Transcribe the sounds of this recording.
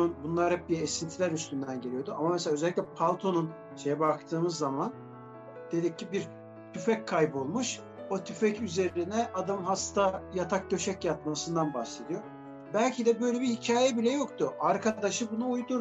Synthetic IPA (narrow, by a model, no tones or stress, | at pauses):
nbunlˠaɾɛp̚biɛesint̪ʰilʲæɾyst̪ʰynd̪ænɟe̞lʲijo̞d̪uamamɛselʲaːøzɛlʲːicʲlʲɛpʰalˠt̪ʰo̞nun | ʃe̞jɛbakt̪ʰɯːmɯzːaman | d̪̥e̞d̪icːibiɾ | t̪ʰyfɛc̚kʰːajbo̞lˠmuʃ | ot̪ʰyfɛcyze̞ɾinɛʔad̪amɦast̪ʰajat̪ʰak̚d̪ø̞ʃɛcjat̪̚masɯnd̪anbahse̞d̪ijo̞ | bælʲcʰid̪ɛbø̞jlʲebihicʰaːjɛbilʲɛjo̞kt̪ʰʊaɾkʰad̪aʃɯbunuːjd̪uɾ